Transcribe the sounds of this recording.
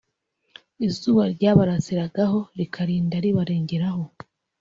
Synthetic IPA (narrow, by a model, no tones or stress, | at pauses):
izuːβaɾɟaːβaɾasiɾaɡaho̞ɾikʰaɾiːndaɾiβaɾe̞ːɲɟe̞ɾaho̞